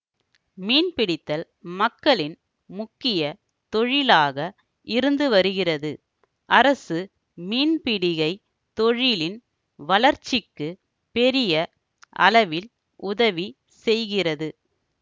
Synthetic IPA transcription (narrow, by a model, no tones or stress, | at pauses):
miːnpɪɽɪt̪ːɐl | mɐkːɐɭɪn | mʊkːɪjɐ | t̪ɔɻɪlaːɣɐ | ʔɪɾɯnd̪ɯʋɐɾɯɣɪrɐðɯ | ʔɐɾɐsɯ | miːnpɪɽɪɣɐɪ | t̪ɔɻɪlɪn | ʋɐlɐɾt͡ʃːɪkːɯ | pɛɾɪjɐ | ʔɐ̰lɐʋɪl | ʊðɐʋi | sɛjɣɪrɐðɯ